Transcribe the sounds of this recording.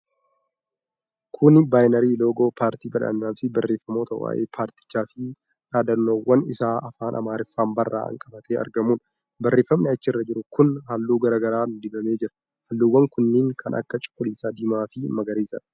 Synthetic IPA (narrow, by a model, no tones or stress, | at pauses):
kʰʊnbaːjnɐɾiːlo̞ːɡo̞ːpʰaːɾt̪iːbɐᶑɐ̰nːaːfɪbɐrːe̞ːfːɐmoːt̪ɐ̰wa̰ːʔḛːpʰaːɾt̪ɪ̥t͡ʃːaːfɪ | ᶑaːd̪ɐnːoːwːɐnɪsaːʔɐfaːnʔɐ̰maːɾɪfːaːmbɐrːa̰ːɐ̰ŋkʼɐbɐt̪ʰeːɐ̰ɾɡɐmuːn | bɐrːe̞ːfːɐmnɛɐt͡ʃːɪɪrːɐd͡ʒɪɾʊkʊnhaːlːuːɡɐɾɐɡɐɾaːnd̪ɪbɐme̞ːd͡ʒɪɾɐ̥ | hɐlːuːwːɐŋkʊnːɪːŋkʰɐnʔɐ̰kːɐt͡ʃʼʊ̥kʼːʊliːsaːd̪iːmaːfɪmɐɡɐɾiːsɐ̰ᶑ